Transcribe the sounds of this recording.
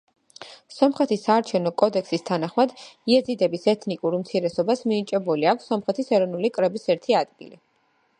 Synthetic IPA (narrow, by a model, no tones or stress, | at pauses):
sɔmχɛt̪ʰisːaːɾt͡ʃʰɛvnɔkʼɔd̪ɛkʰsist̪ʰanaχmad̪iɛd̪zid̪ɛbisɛt̪ʰnikʼuɾumt̪sʰiɾɛsɔbasmit͡ʃʼɛbuliakʷʰsːɔmχɛt̪ʰisɛɾɔnulikʼɾɛbisɛɾt̪ʰiad̪̥ɡḭli